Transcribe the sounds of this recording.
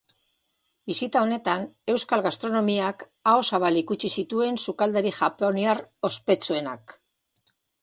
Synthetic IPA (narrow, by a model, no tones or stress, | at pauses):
bisit̪ao̞ne̞t̪ane̞wskalɣast̪ɾo̞no̞miak | aosaβalikut͡ʃisit̪ue̞nsukald̪eɾixapeoniaro̞spe̞t͡sue̞na̰k